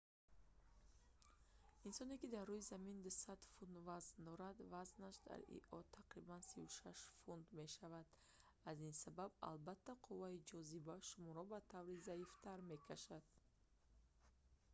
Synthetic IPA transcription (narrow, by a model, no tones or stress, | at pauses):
insɔnekid̪arːujizamind̪usad̪fund̪vaznd̪ɔɾad̪vaznaʃd̪a̰ɾḭʔɔt̪ʰːaqɾibansivuʃaʃfund̪me̞ʃavad̪̥ | azinsababa̰lbat̪ʰːaqʰuvaid͡ʒɔzibaʃumɔɾɔbat̪ʰavɾizaift̪ʰaɾme̞kʰaʃad̪̥